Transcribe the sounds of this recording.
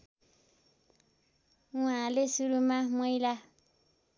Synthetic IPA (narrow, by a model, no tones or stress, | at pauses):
ŋ̃ãlesuɾumãmẽĩla